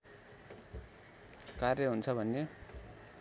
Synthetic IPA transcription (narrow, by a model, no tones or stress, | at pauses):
karjʌɦunt͡sʰʌbʱʌnːe